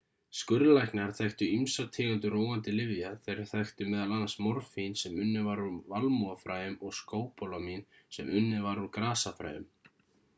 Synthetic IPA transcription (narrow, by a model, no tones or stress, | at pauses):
skʏɾlajhknɪaɾ̥θɛxt̪ʏimsat̪ʰɪːɣant̪ʏroːwant̪ɪlɪvjaθejɾɪ̥θaxt̪ʏmɛːðalanːasmɔɾfinsɛmʏnːɪvaɾunvalmuafɾaːjʏmɔɣskoːwpɔlamin | sɛ̰mʏnːɪvaɾunkɾaːsafɾa̰ːjʏ̰m